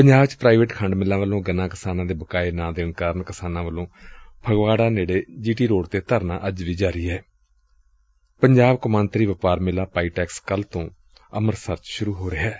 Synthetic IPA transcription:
pəɲd͡ʒaːbt͡ʃpɾaːiːʋeːʈkʰəɳɖmɪlːãːʋəlõːɡənãːkɪsaːnãːd̪eːbəkaːeːnãːd̪eːənkaːɾənkɪsaːnãːʋəlõːbʰʱəɡʋaːɽaːneːɽeːd͡ʒiːʈiːɾoːɽt̪eːt̪əɾnã̰ːʔəd͡ʒʋiːd͡ʒaːɾiːɛː | pəɲd͡ʒaːbkəmãːnt̪ɾiːʋəpaːɾmɪlːaːpaːiːʈɛːkskəlt̪õː | əməɾsəɾt͡ʃʃʊɾuːɦoːɾeːɛː

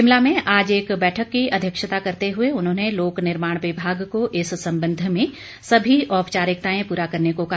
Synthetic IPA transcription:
ɪmlamẽʔaːd͡ʒeːkbɛːʈʰəkːiɐd̪ʱjəkʃət̪akɐɾt̪eɦʊeʊnɦõːneloːknɪɾmaːɽ̃ʋɪbʱaːɡkoʔɪssɐ̃mbə̃nd̪ʱmẽ | sɐbʱiɔːpt͡ʃaːɾɪk̚t̪aːẽpuːɾakɐɾnekoka

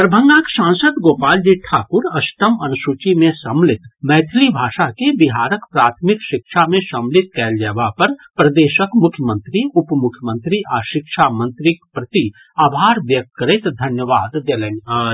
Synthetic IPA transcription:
p̪ɾɐbʱə̃ŋɡãːkʃãːnsəd̪ɡoːpaːld͡ʒiʈʰaːkʊɾɐʃʈəmɐnʊʃut͡ʃimẽsɐmlɪt̪mɛːt̪ʰɪlibʱaːʃakebɪɦaːɾəkpɾaːt̪ʰmɪkʃɪkʃamẽsɐ̃mlɪt̪̚kɛːld͡ʒɛːʋapɐɾpɾɐd̪eːʃəkmʊkʰjəmə̃nt̪ɾiʊpmʊkʰːjəmə̃nt̪ɾiʔaːʃɪkʃamə̃nt̪ɾɪkpɾɐt̪i | aːbʱaːɾʋjɐk̚t̪̚kɐɾɪt̪d̪ʱɐnjəʋaːd̪d̪elenaː

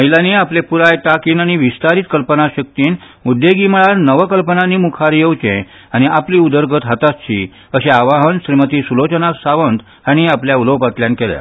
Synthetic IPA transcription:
məɦilãniːaplepuɾajt̪akiːnaɽ̃iʋist̪aɾiːt̪̚kəlpənaɕək̚t̪iːn | mud̪ʱːeɡimɭaɾnəʋəkəlpənaniːmukʰaɾjewt͡ɕḛ̃ | aɽ̃iapliːud̪əɾɡət̪ɦat̪ast͡ɕḭ | əɕeaʋaɦənɕɾimət̪iːsulot͡ɕənasaʋənt̪ | aɽ̃iapljauləwpat̪ljankɛlja̰

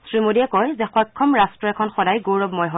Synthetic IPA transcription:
sɹimodiɛkɔjzɛxɔjkʰːɔmɹastɹɔɛkʰɔnxɔdajɡoɹɔbmɔjɦɔ

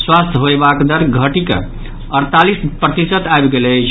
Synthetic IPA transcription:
swast̪ʰɦoebakd̪əɾɡʱəʈikə̰ | əɾt̪alispɾət̪isət̪aebɡelət͡ʃʰ

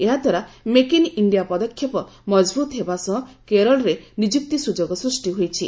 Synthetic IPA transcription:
eɦad̪ʱwaɾamekiniɳɖijapɔd̪ɔkʰjɔpɔmɔd͡ʒbut̪ɦebasɔ̃ɦɔ̃keɾɔlɾenid͡ʒuk̚t̪isud͡ʒoɡɔsɾusʈiɦojt͡ʃʰi

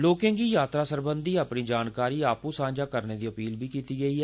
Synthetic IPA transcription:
loːkẽːɡiːjaːt̪ɾaːsəɾbə̃nd̪iːaːpniːd͡ʒaːnkaːɾiːaːpũːsãːd͡ʒaːkəɾneːd̪iːəpiːlbʱiːkiːt̪iːɡəiːɛː

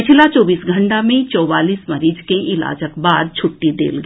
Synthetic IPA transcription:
ɪt͡ʃʰlat͡ʃɔːbiːsɡʱə̃ɳʈamẽt͡ʃɔːʋaːliːsmɐɾiːd͡ʒkeʔɪla̰ːd͡ʒəkbaːd̪̚t͡ʃʰʊʈːid̪ḛːlɡə

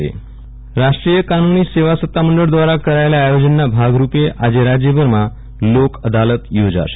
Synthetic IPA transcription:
ḛ | ɾaʂʈɾijəkanuniːseʋasət̪ːaməɳɖəɭd̪ʋaɾakəɾajljaːjod͡ʑənːabʱaɡɾupeʔad͡ʑeɾad͡ʑjəbəɾma | lokəd̪alət̪jod͡za̰ɾ

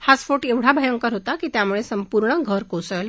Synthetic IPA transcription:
hasfoʈeʋɽ̤abʱəjəŋkəɾɦot̪akiːt̪jamuɭesəmpuɾɳəɡʱəɾkosəl

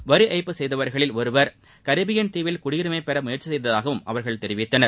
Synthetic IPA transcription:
ʋɐɾɯʔɐɪpːɯsɛjðɐʋɐɾɣɐɭɪlɔɾɯʋɐɾ | kɐɾɪbɪjɐnt̪iːʋɪlkʊɽiːɾɯmɐɪpːɛɾɐmʊjɐɾt͡ʃːɪsɛjðɐðaːɣɐʋɯmɐ̰ʋɐɾɣɐɭt̪ɛɾɪʋɪt̪ːɐnɐɾ

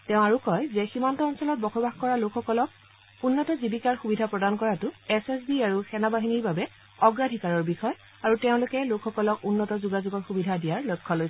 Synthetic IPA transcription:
tɛ̃ʊ̃aɹukɔjzɛximantɔːnsɔlɔt̚bɔxʰobaxkɔɹalokʰxɔkɔlɔk̚ | unːɔtɔzibikaɹxubidʱapɹɔdankɔɹatʊɛsesbiaɹuxɛnabaɦiniɹbabɛ | ɔɡɹadʱikaɹɔɹbixɔj | aɹuteʊ̃lʊkɛlokʰxɔkɔlɔkunːɔtɔzuɡazuɡɔɹxubidʱadijaɹlojkʰːɔlojs

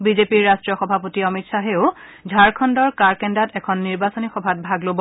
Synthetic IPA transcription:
bizepiɹːastɹijɔxɔbʱapotiɔmitsaɦeʊdʱaɹkʰɔndɔɹkaɹkɛndatɛkʰɔnːiɹbasɔnixɔbʱat̚bʱaɡlobɔ

